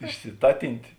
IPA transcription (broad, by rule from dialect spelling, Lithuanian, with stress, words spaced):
ɪʃʲsʲɪˈtɑːtʲɪnʲtʲeː